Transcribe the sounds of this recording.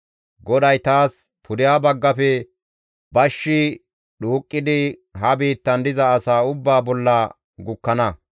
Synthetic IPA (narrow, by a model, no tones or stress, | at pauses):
ɡɔd̪ɐjt̪aːs | pʰʊd̪ɪjaːbɐɡːɐfɛ | bɐʃːɪ | ɗuːkʼːɪd̪ɪɦɐbiːt̪ːɐnd̪ɪzɐːsaːʊbːaːbɔlːɐ | ɡʊkːɐnɐ